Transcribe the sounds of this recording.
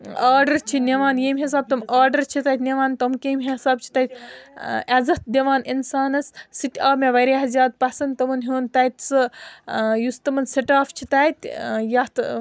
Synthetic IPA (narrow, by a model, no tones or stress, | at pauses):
aːɾɖɐɾt͡ʃʰinʲeʋaːnjeːmʲɦes̬aːb̚t̪ɐmaːɾɖɐɾt͡ʃʰit̪ɐjt̪nʲeʋaːnt̪ɐmkemɦesaːb̚t͡ʃʰi̥t̪ɐt̪ʲ | ɐzɐt̪̚d̪eʋaːninsaːnɐssit̪ʲaːbmeʋɐɾeːɦɐzʲjaːd̪̚pɐsɐnt̪ɐmɐnɦoːnt̪ɐjt̪ʲt͡sɨ | just̪ɐmɐnseʈaːft͡ʃʰit̪ɐt̪ʲjɐt̪